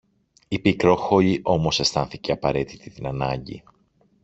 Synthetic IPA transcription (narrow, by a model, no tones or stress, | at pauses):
ipikɾo̞xo̞ʎiʔo̞mo̞se̞st̪ɐnθiceɐpɐɾe̞t̪it̪it̪inɐnɐɲɟḭ